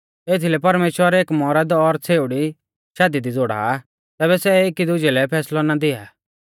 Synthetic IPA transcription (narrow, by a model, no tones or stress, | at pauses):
eːt̪ʰilɛpɐɾmeːʃwəɾeːkmɔɾəd̪ɔɾt͡sʰeːʊɽi | ʃad̪id̪id͡zoːɽa̰ | t̪ɛːβɛsɛekid̪ʊd͡ʒɛlɛpʰɛːslɔnad̪ɪa̰ː